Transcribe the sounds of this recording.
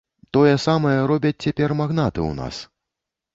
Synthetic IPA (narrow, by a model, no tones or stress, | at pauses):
t̪ɔjɛsamɐjɛɾɔbʲɐt͡sʲt͡sʲapʲɛrmaɣnat̪ɨ̰wna̰s